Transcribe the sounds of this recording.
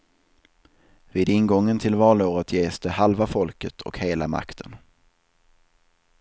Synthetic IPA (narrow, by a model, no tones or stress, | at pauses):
viːd̪ɪnɡɔŋːənt̪ʰɪlvɑːloːɾət̪jeːsd̪̥ɛhalvafɔlkət̪ʰɔ̰kheːlama̰kt̪ʰən